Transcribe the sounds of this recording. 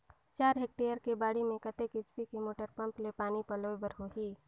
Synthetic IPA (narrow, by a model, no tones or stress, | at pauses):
t͡ʃaːɾɦeːk̚ʈeːjəɾkebaːɽimẽkət̪ekɪt͡ʃpikimoːʈəɾpɐ̃mplepaːnipəlobəɾɦoɦiː